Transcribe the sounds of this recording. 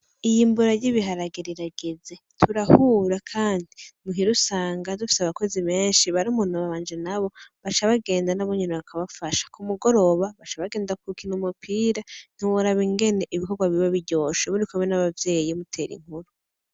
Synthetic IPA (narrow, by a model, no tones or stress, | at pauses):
ijimbuɾaɟiβiɦaɾaɡiɾiɾaɡeze̞tʰuɾahuɾakʰaːndimuɦiɾusaːŋɡadufi̥seaβako̞ziβe̞ːnʃiβaɾiumuːn̥huβaβaːnd͡ʒenaβo̞βat͡ʃaβaɡe̞ːndanaβoɲineβakʰaβafaʃḁkumuɡo̞ɾo̞βaβat͡ʃaβaɡe̞ːndakukinumupʰiːɾan̥iwoɾaβiŋɡe̞ne̞ʔiβiko̞ɾɡwaβiβaβiɟoːʃeβuɾikumenaβavje̞ːjijomutʰe̞ɾḭŋ̥huɾu